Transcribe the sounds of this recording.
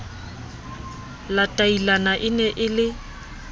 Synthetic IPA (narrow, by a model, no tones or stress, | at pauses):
latʼailanaʔɪnɛʔɪlɪ